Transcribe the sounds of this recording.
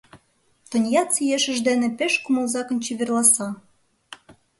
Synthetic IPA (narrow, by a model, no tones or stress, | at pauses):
t̪ə̆nʲjɑt͡sijeʃə̆ʒd̪enĕpeʃkumɤ̆lzɑkɤ̆nt͡ɕiβerlˠɑsɑ